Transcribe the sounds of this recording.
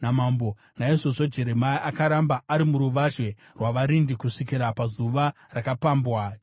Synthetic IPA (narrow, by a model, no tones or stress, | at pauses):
namambo̞ | naiʐo̞ʐo̞d͡ʒe̞ɾemaiʔakaɾambaːɾimuɾuʋaʒwe̞ | rwaʋaɾindikuʂikiɾapazuʋa | rakapaːmbwa